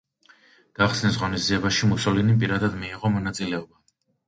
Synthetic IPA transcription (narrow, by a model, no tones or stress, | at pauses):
ɡ̥aχsnɛs̬ʁɔnizd̪ziɛbaʃimusɔlinipʼiɾad̪ad̪miːʁɔmɔnat̪sʼilɛɔba